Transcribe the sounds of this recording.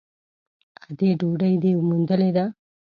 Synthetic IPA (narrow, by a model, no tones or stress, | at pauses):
ɐd̪eːɖuːɖɐjd̪emund̪ɐled̪a